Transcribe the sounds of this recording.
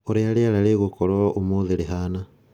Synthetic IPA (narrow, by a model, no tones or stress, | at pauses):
oɾeaɾeaɾaɾeɣokɔɾɔʔomoðeɾeɦana